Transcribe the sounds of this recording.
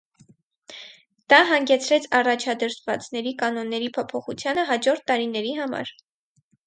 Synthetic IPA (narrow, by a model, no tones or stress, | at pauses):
d̪̥ɑɦɑŋɡɛt͡sʰɾɛt͡sʰɑrɑt͡ʃʰɑd̪əɾt̪ʰvɑt͡snɛɾikɑnɔnːɛɾipʰɔpʰɔχut͡sʰjɑnəɦɑd͡ʒɔɾt̪ːɑɾinɛɾiɦɑmɑ̰ɾ